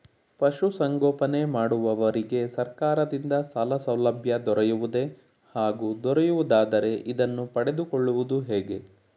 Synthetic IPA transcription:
pɐʃusɐŋɡɔːpɐne̞maːɽuʋɐʋɐɾiɡe̞sɐɾkaːɾɐd̪ind̪ɐsalɐsɐwlɐbʱjɐd̪ɔɾejuʋud̪e̞ | haːɡuːd̪ɔɾejuʋud̪aːd̪ɐɾe̞ʔid̪ɐnːupɐɽe̞d̪ukɔɭːuʋud̪uɦeːɡe̞

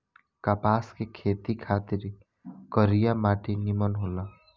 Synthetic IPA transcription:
kapaːskekʰeːt̪ikʰaːt̪iɾ | kəɾijamaːʈinimənɦola

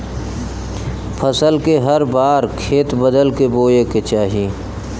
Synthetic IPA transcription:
pʰəsəlkeɦɐɾbaːɾkʰeːt̪bəd̪əlkeboːjeket͡ʃaːɦiː

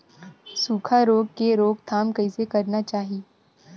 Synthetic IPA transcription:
suːkʰaɾoːɡ̚keɾoːɡ̚t̪ʰaːmkɐisekɐɾnat͡ʃaːɦi

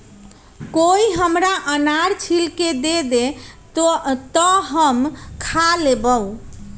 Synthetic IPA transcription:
koiɦəmɾaʔənaɾt͡ʃʰilked̪ed̪e | t̪əɦəmkʰalebəw

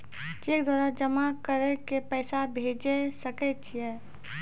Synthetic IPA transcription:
d͡ʒeːkd̪waːɾad͡ʒəmakəɾekepɛːsabʱeːd͡ʒesəkɛt͡ʃʰiɛ

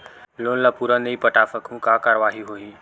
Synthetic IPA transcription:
lonlapuɾənəipəʈafəkʰũːkakaɾəʋaɦiːɦoiː

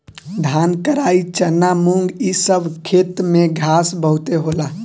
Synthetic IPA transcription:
d̪ʱaːnkəɾaːit͡ʃənːamũŋɡisəbʱkʰeːt̪mẽɡʱaːsbəɦʊt̪eɦoːlaː

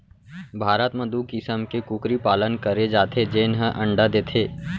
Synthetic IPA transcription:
bʱaːɾət̪məd̪uːkɪsəmkekukɾipaːlənkəɾed͡ʒaːt̪ʰed͡ʒeːnɦəʔɐ̃ɳɖad̪eːt̪ʰeː

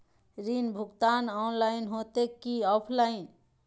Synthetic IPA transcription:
ɾinbʱuɡt̪anɔnlainɦot̪ekːiɔpʰlain

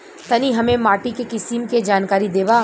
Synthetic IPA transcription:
t̪ɐniɦɐmẽmaːʈikekɪsimked͡ʒaːnkaːɾid̪eːʋaː

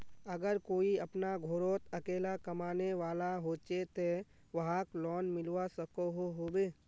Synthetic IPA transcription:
əɡəɾkoːiɐpnaɡʱoːɾoːt̪əkeːlakɐmaːneʋaːlaɦoːt͡ʃet̪e | ʋɐɦaklɔːnmɪlwasəkoɦoɦoːbeː

